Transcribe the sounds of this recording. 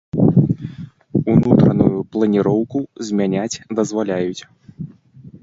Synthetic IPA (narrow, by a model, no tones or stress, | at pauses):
unut̪ɾɐnṵjuplˠɐnʲiɾɔwkuzʲmʲanʲat͡sʲd̪ɐzvalʲajut͡sʲ